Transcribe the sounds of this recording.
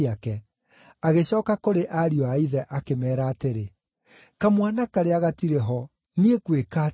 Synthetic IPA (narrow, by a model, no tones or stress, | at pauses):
akɛ | aɣeɕɔːkakoɾeʔaɾiɔaiðɛʔakemɛːɾaːteɾe | kamwanakaɾeaɣatiɾeɦɔ | niekweka